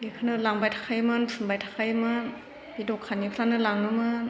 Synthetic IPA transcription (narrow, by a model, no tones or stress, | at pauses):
ɡikʰɯnɯlaŋbajtʰḁkʰajmɯnpʰɯnbajtʰḁkʰajmɯn | bidɔkʰːanipʰɾanɯlaŋɯmɯ